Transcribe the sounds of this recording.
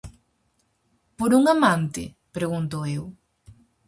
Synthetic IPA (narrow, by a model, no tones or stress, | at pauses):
poɾuŋamãnt̪ɪ̰ | pɾeɣunt̪oew